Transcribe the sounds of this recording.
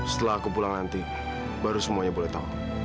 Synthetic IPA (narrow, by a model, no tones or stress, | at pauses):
sə̥t̪əlaakupulaŋnant̪i | baɾusəmuaɲabolɛht̪au